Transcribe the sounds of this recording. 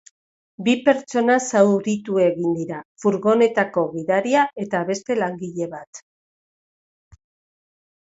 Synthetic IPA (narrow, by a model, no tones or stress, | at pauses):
bipe̞ɾt͡ʃo̞nasawɾit̪ue̞ɣind̪iɾafuɾɣo̞ne̞t̪ako̞ɣiðaɾiae̞t̪aβe̞st̪e̞laŋɡiʎe̞βat̪